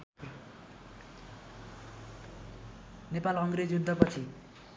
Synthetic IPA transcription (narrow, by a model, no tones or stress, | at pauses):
nepalʌŋɡɾed͡zjud̪ʱːʌpʌt͡sʰi